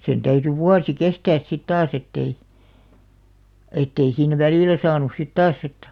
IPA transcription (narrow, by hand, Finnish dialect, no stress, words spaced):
sen tæyty ʋuɑsi kestæːs sit tɑːs etːei etːei siːn ʋæliˑlæ sɑːnus sit tɑːs etːæ̥